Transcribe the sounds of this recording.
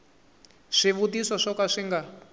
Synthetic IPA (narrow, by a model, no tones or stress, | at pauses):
ʂiβutisɔʂɔkaʂiŋɡa